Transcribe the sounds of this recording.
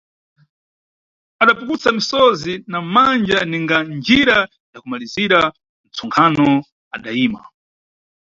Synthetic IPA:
aɗapukut͡samisɔzinamand͡ʒaniŋɡand͡ʒiɾa | jakumaliziɾa | n̩t͡sʰɔŋkʰanɔ | aɗaiːma̰

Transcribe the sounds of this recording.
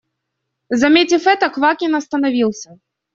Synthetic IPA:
zamʲet͡sʲifɛt̪ɐkvakʲinɐst̪ɐnavʲilˠsʲɐ

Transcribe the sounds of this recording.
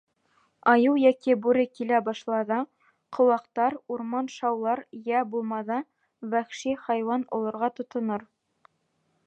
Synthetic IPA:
ɑjɤwjækibuɾɘkilæbɑʃlˠɑðɑ | qʰŏwɑqt̪ɑɾuɾmɑnʃɑwlˠɑɾjæbulˠmɑðɑ | wæχʃiχɑjwɑnṵlˠŏɾʁɑt̪ŏt̪ŏnoɾ

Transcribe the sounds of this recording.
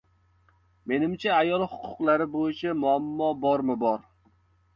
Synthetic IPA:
menɪmt͡ʃʰɛæjɒlˠhʊqʰːʊ̥qlˠaɾɪbojɪt͡ʃʰɛmʊamːɒbɒɾmɪbɒɾ

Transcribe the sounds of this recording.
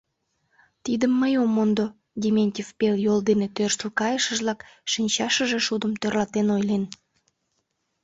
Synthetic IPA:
t̪id̪əmːəjomːond̪o | d̪ʲemʲenʲtʲefpeljold̪enet̪ørʃt̪əlkɑjəʃəʒlɑkʃinʲt͡ɕɑʃəʒeʃud̪əmt̪ørlɑt̪enojlen

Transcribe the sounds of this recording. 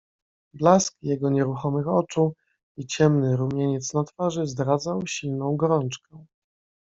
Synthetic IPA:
blaskjɛɡɔɲɛɾuxɔmɘxɔt͡ʂu | it͡ɕɛmnɘɾumʲjɛɲɛt̪snat̪faʐɘzd̪ɾad̪zawɕilnɔ̃w̃ɡɔɾɔnt͡ʂkɛ

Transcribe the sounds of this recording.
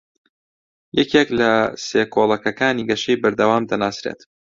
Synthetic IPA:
jɛkeklɐseːkʰolˠɐkɐkaːniːɡɐʃejbɐɾd̪ɐwaːmd̪ɐnaːsɾḛt̪

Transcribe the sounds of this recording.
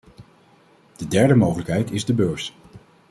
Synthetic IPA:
d̥ədɛɹdəmowχələkɦɛjtɪzdəbøːɹs

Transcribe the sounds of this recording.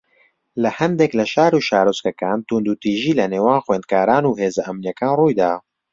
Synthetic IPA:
lɐhɛnd̪eklɐʃaːɾuːʃaːɾoskɐkaːnt̪und̪uːt̪iːʒiːlɐneːwaːnxweːnd̪̚kaːɾaːnuːɦeːzɐʔɐmnjɛkaːnruːjd̪aː

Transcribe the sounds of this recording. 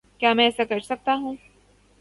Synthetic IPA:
kjaːmɛ̃ɛːsakɐɾsɐk̚t̪aɦũː

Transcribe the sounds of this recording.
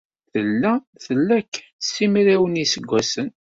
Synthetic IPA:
θəlːæ | θəlːækː | sːimɾiwənisəɡʷːæsən

